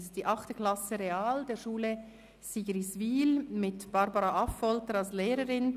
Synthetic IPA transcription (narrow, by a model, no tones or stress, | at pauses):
std̥iːʔɑχtəkl̥ɑsəʁeaːld̥eːɐʃuːlə | siɡəɾisviːlmɪtb̥ɑɾbɑɾɑɑfɔltəɾɑlsleːɾəɾɪn